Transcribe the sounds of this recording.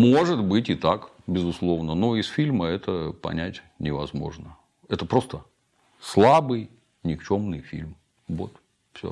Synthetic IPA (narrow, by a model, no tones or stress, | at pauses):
moʐɨt̪bɨtʲɪt̪ak | bʲɪzʊslˠo̞vnəno̞ɪsfʲilʲməɛt̪əpɐ̰nʲætʲ | nʲɪvɐzmo̞̰ʐnə | ɛt̪əpɾo̞st̪ə | slˠabɨj | nʲɪkt͡ɕo̞mnɨjfʲḭlʲm | vo̞̰t̪ | fsʲo̰